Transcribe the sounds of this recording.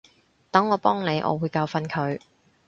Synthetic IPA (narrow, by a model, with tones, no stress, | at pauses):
t̪ɐ˨˥ŋɔː˨˧pɔː˥ŋne˨˧jʔɔ̰ː˨˧wuː˨˧jkaː˧wfɐ˧nkʰɵ˨˧ɥ